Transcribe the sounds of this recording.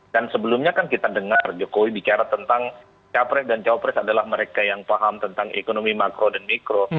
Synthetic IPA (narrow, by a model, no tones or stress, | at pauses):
dansəbəlumɲakankit̪adəŋard͡ʒokowibit͡ʃaɾat̪ənt̪aŋ | t͡ʃapɾɛsdant͡ʃawpɾɛsadalahməɾekajaŋpaɦamt̪ənt̪aŋḛkonomimakɾodanmikɾo